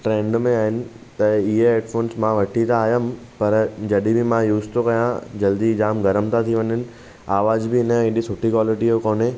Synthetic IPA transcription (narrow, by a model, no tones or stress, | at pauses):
ʈɾẽːɳɖmẽaːɦɪnɪ̆ | t̪ɐɪɦeeːʈfoːnsmãʋɐʈʰit̪ʰaːjəmpɐɾd͡ʑɐɗibɪmãjuːzt̪ʰokɐjãd͡ʑɐld̪izaːmɡɐɾəmt̪ʰat̪ʰiʋɐɲɪnɪ̆ | aːʋaːzbʱɪɪnəɪɗisʊʈʰikʋaːlɪʈijokoːne